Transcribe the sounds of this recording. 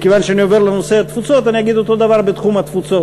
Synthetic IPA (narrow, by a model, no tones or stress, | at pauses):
kevanʃeanio̞ve̞ʁleno̞seat̪fut͡so̞t̪anijaɡid̪ot̪o̞d̪avaʁbet̪χumhat̪fut͡so̞